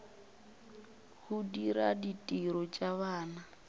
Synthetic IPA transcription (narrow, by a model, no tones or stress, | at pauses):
hudiɾa̰ditʼiɾɔt͡ʃʼaβaːna